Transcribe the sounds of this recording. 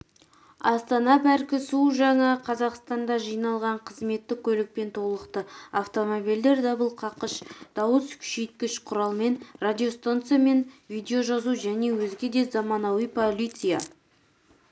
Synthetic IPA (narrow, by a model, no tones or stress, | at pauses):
ɑst̪ɑnɑpæɾkʲɪsuʒɑŋɑqʰɑzɑqst̪ɑnd̪ɑʒijnɑlˠʁɑɴqʰəzme̞t̪ːɪkʲʰɵlɪk̚pe̞nt̪ʰo̞lˠəqt̪əaft̪o̞mobild̪e̞ɾd̪ɑbəlˠqʰɑqəʃd̪̥ɑwəskʲʰʏ̥ʃejt̪̚kʲɪʃqʰʊɾɑlˠme̞nrad̪ʲio̞st̪ant̪sɨjame̞nvijd̪e̞oʒɑzuʒæne̞wɵzɡʲe̞d̪e̞zɑmɑnɑwijpʰolʲit̪sɨja̰